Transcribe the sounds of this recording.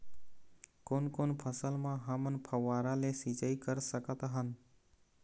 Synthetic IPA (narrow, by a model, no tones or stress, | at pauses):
koːnkoːnpʰəsəlmãɦəmənpʰəʋaːɾalesit͡ʃaikəɾsəkət̪ɦən